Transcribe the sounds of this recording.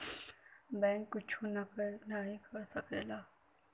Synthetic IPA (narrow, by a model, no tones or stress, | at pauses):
bɛ̃ːŋkːʊt͡ʃʰunnaɦĩkɐɾsɐkeːlaː